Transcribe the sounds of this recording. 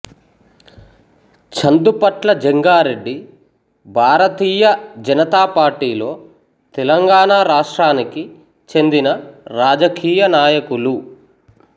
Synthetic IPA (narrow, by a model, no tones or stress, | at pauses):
t͡ʃɐnd̪upɐʈlɐd͡ʒeŋɡaːɾe̞ɖːi | bʱaːɾɐt̪iːjɐd͡ʒɐnɐt̪aːpaːɾʈiːlo̞ː | t̪ɛlɐŋɡaːnaːɾaːʂʈɾaːniki | t͡ʃe̞nd̪inɐɾaːd͡ʒɐkiːjɐnaːjɐkulu